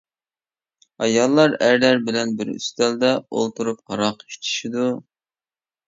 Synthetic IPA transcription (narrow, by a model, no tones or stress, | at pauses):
ɑjɑlˠːɑɾæɾlæɾbɪlɛnbɪɾy̰st̪ɛld̪ɛo̰lˠt̪uɾupqɑɾɑqi̥ʃt̪ʰi̥ʃid̪u